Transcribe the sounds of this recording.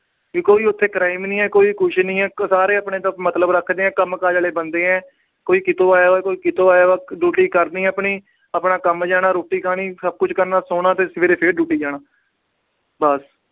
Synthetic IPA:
ikoːiːʊt̪ʰːeːkɾaːɪmnĩːɛːkoːiːkʰʊʃnĩːɛːsaːɾeːəpɳẽːt̪ãːmət̪ləbɾəkʰd̪eːɛ̃ːkəmkaːd͡ʒaːleːbənd̪eːɛ̃ː | koːiːkɪt̪oːaːjaːɛːkoːiːkɪt̪oːaːjaːaːɖuːʈiːkəɾd̪ĩːəpɳiː | apnãːkəmd͡ʒaːnaːɾoːʈiːkaːniːsəb̚kʊt͡ʃʰkəɾnaːsoːnaːt̪eːsʋeːɾeːpʰeːɖuːʈiːd͡ʒaːnaː | bəs

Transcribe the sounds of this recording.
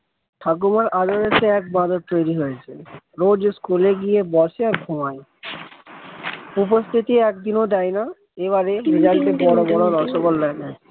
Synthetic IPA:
tʰak̬umaɹʔadɔɹesɛːk̚badɔtt̪ojɹiɦojsɛ | ɹod͡ʒeskuleɡijɛbɔseaɹɡʱɔmaj | up̬ɔst̪ʰitiɛkd̪inodajna | eβaɹɛɹizaltɛbɔɹɔbɔɹɔlɔsɔkɔlːaɡa

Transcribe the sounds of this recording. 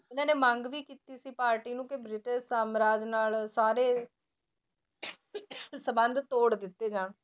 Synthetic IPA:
ɪnãːneːmə̃ŋɡʋiːkiːt̪iːsiːpaːɾʈiːnũːkɪbɾɪʈɪʃsaːmɾaːd͡ʒnaːlsaːɾeː | səbənd̪t̪oːɽd̪ɪt̪ːeːd͡ʒãːɳ

